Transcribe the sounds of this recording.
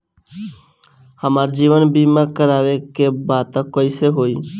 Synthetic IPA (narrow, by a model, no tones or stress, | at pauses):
həmaɾd͡ʒiʋənbimakəɾaʋekebat̪əkːɔɪseɦoi